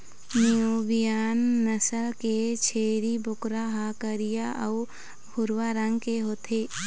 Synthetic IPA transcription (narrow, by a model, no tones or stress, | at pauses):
nijoːbijaːnːəsəlket͡ʃʰeːɾibʊkɾaɦaːkəɾijaʔɐʊ | bʱʊɾwaɾə̃ŋɡkeɦoːt̪ʰeː